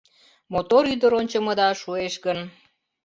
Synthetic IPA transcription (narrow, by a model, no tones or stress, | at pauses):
mot̪oɾyd̪əɾonʲt͡ɕə̆mə̆d̪ɑʃueʃɡən